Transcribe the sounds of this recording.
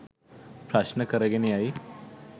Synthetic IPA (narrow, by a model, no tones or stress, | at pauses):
pɾaʃnəkəɾeɡeniai